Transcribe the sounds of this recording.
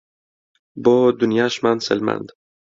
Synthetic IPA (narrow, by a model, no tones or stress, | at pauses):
bɔːd̪unjaʃmanselmæ̰nd̪